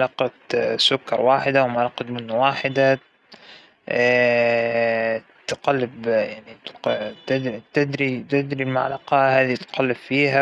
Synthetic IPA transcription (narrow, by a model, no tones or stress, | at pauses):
lɑqɑt̪sʊkːɑɾˤwaːħɪd̪awmalɑːqɑt̪mɪnːwaːħɪd̪a | t̪ɪqalːɪbjaʕnit̪t̪ɪd̪ɾt̪ɪd̪ɾit̪ɪd̪ɾilmaʕlɑqɑhaːðit̪qalːɪbfiːɦa